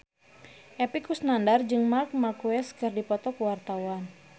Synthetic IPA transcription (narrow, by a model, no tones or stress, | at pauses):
ʔɛpikusnandard͡ʒɨŋmark̚makuɛskɨrdipɔt̪ɔkuwart̪awan